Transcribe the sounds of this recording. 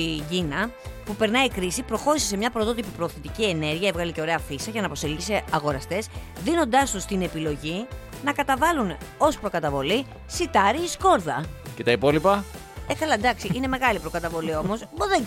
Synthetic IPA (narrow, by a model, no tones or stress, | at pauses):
iɟinɐpupe̞ɾnɐikɾisipɾo̞xo̞ɾise̞se̞mɲɐpɾot̪o̞t̪ipipɾo̞ːθit̪icie̞ne̞ɾʝiɐevɣɐlice̞o̞ɾe̞ɐfisɐʝɐnɐpo̞selʝise̞ɐɣo̞ɾɐst̪e̞s | ðino̞nd̪ɐst̪ust̪ine̞pilo̞ʝi | nɐkɐt̪ɐvɐluno̞spɾo̞kɐt̪ɐvo̞li | sit̪ɐɾiːsko̞ɾðɐcet̪ɐipo̞lipɐ | ekɐlɐd̪ɐksiʔine̞me̞ɣɐlipɾo̞kɐt̪ɐvo̞lio̞mo̞sboðe